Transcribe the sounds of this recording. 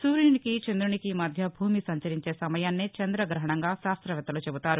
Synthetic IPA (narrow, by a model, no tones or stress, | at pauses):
suːɾiːnikit͡ʃend̪ɾuɳikimɐd̪ʱjɐbʱuːmisɐɲt͡ʃɐɾiɲt͡ʃe̞ːsɐmɐjaːnːit͡ʃɐnd̪ɾɐɡɾɐɦɐɳɐŋɡaːʃaːst̪ɾɐʋɛt̪ːɐlut͡ʃebut̪aːɾu